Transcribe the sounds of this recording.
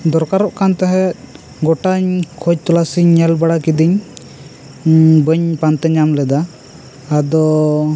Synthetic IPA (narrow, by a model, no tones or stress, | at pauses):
d̪ɔɾkaɾɔʔkant̪ɛɦɛt̪̚ | ɡɔʈaɲkʰɔd͡ʒ̚t̪ɔlasiɲɛlbaɽakid̪iɲ | bəɲpant̪ɛɲamlɛd̪aː | d̪ɔ